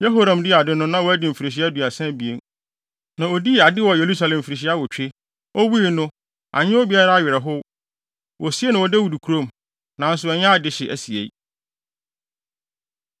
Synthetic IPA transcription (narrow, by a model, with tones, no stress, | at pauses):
jɛ˦ɦo˦ɾã˨mdɪ˦a˨dɪ˦nʊ̃˦nã˦wɔ˦æ˦dɪ˨m̩˨fi˨ɾi˨ɕ̬i˦æ˦du˨a˨sɛ̃˦bi˨e˦n | nã˨ɔ˨di˦˨a˨dɪ˦wɔ˨je˨ɾu˦s̬a˨lɛ̃˨m˨fi˨ɾi˨ɕ̬i˦a˦wɔ˨t͡ɕᶣɪ˦ | ɔ˦wu˦i˨nʊ̃˦ | ʔa̰˨ɲɪ̃˦o˦bi˨a˦ɾa˦a˨ɥɪ˨ɾɛ˨ɦʊ˦ | wɔ˨si˦e˦nã˨wɔ˨dɛ˦wu˨du˨kʰu˨ɾõ˦m | nã˨˦n̩˦s̬ʊ˨ɛ˨ɲã˦a˨dɪ˦ɕɪ˨ʔæ̰˨si˨ḛ˨˦